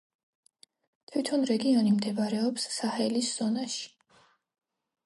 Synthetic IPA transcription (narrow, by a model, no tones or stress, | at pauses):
t̪ʰwit̪ʰɔnɾɛɡiɔnimd̪ɛbɾɛɔpsːahɛlisz̥ɔnaʃi̥